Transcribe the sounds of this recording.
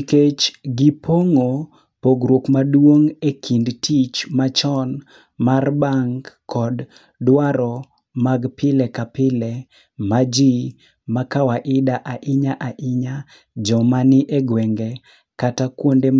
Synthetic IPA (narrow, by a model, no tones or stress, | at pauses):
ket͡ʃɡipʰoŋo | poɡɾwokmadwoŋekʰindtʰit͡ʃmat͡ʃɔn | marbaŋɡkɔd | dwaɾɔ | maɡpɪlɛkapɪlɛ | mad͡ʒi | makawaʔɪdaʔaʔɪɲaʔaʔɪɲa | d͡ʒɔmanɪʔeɡwɛŋɡɛ | katakwonde